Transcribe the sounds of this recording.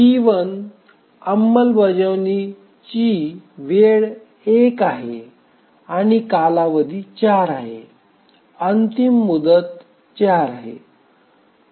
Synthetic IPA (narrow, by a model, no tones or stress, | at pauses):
iʋən | əmːəlbəd͡ʑəʋni | t͡ɕiʋeɭ | ekaɦe | aɽ̃ikalaʋəd̪ʱit͡ɕaɾaɦe | ənt̪imːud̪ət̪ | t͡ɕaɾaɦḛ